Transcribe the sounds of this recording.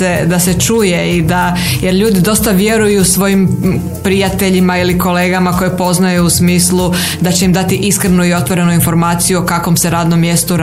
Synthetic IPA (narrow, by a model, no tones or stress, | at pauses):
ed̪aset͡ʃuːjeid̪a | jeɾʎuːd̪id̪o̞st̪aʋje̞ɾujusʋo̞jim | pɾijat̪e̞ʎimailiko̞leːɡamako̞jepo̞znajuusmiːslˠu | d̪at͡ɕe̞imd̪at̪iʔiskɾenuio̞t̪ʋo̞ɾe̞nuinfo̞ɾmaːt̪sijuo̞kakʋo̞mse̞ɾaːd̪no̞mːje̞st̪uɾ